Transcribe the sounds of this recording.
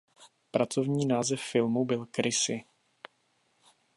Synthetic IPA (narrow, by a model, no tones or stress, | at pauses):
pɾat͡so̞vɲiːnaːzɛfːɪlmubɪlkɾɪsɪ